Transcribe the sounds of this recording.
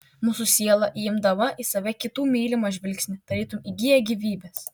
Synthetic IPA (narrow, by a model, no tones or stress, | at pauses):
muːsʊsʲiɛlˠɐʔiɪmd̪ɐʋɐʔisɐʋʲɛkʲɪt̪uːmʲiːlʲɪmɐʒʲʋʲɪlʲksʲnʲɪd̪̥ɐɾʲiːt̪ʊmiɡʲijɛɡʲiʋʲiːbʲɛs